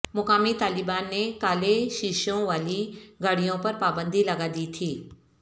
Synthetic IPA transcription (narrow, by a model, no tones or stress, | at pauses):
mʊkaːmit̪aːlɪbaːnːekaːleʃiʃõʋaːliɡʱɐɽ̤ijõpɐɾpaːbə̃nd̪ʱilɐɡad̪iːt̪ʰiː